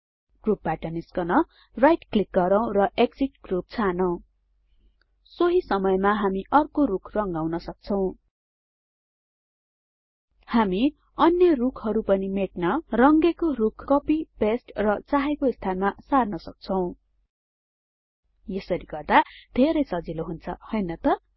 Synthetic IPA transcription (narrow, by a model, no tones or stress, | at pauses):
ɡ̥rup̚baʈʌniskʌnʌ | rajʈklik̚ɡʌɾaw̃rʌʔekd͡ziʈɡ̥rup̚t͡sʰanʌw̃ | soɦisʌmʌjmaɦamiʔʌrkorukʰrʌŋɡawnʌsʌk̚t͡sʰʌw̃ | hami | ʌnjʌrukʰɦʌɾupʌnimeʈnʌrʌŋɡekorukʰkʌpipesʈrʌt͡saɦekoist̪ʰanmasarnʌsʌk̚t͡sʰʌw̃ | jesʌɾiɡʌrd̪ad̪ʱeɾʌjsʌd͡ziloɦunt͡sʰʌ̰hʌjnʌt̪ʌ